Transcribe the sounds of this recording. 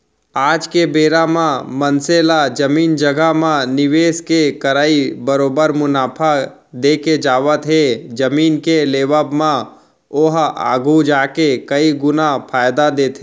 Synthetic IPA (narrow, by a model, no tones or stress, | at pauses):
aːd͡ʒkebeːɾamãmənselad͡ʒəmiːnd͡ʒəɡamãnɪʋeːskekɐɾaːibəɾoːbəɾmʊnaːpʰa | d̪eːked͡ʒaːʋət̪ɦeːd͡ʒɐmiːnkeleːʋəbmã | ʊɦa̰ːɡud͡ʒaːkekɐiɡʊnapʰaːjd̪ad̪eːt̪ɦeː